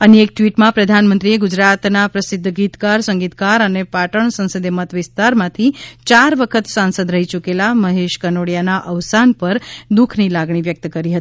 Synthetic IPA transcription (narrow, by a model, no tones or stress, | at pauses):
əniek̚ʈʋiʈmãpɾəd̪ʱanmənt̪ɾieɡud͡ʒɾat̪napɾəsɪd̪ʱːəɡit̪kaɾsə̃ŋɡit̪kaɾənepaʈəɳsə̃nsəd̪jəmət̪ʋɪst̪aɾmãt̪ʰit͡ʃaɾʋəkʰət̪sãnsəd̪ɾəɦit͡ʃukelaməɦeʃkənoɽjanaʔəʋsanpəɾd̪ukʰnilaɡɳiʋjək̚t̪kəɾiɦət̪i̥